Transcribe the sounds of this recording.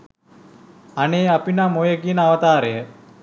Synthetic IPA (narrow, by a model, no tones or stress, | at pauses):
aneːapinamojəɡinaʋət̪aːɾəjə